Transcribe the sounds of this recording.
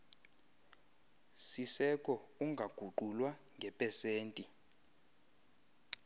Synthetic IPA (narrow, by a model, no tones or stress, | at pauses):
sisɛkʼɔuŋʱaɡ̥ʱuǃʱulwaŋʱɛpʼɛseːntʼi